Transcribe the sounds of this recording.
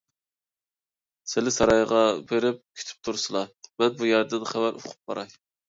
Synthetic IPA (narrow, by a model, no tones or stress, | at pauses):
sɪlɪsɑɾɑjʁɑbeɾɪp̚kʲʰy̥t̪ʰy̥p̚t̪ʰuɾsɨlˠɑmɛnbujɛɾd̪ɨd̪ɨχævæɾʔo̰qʰʊ̥p̚qɑɾɑj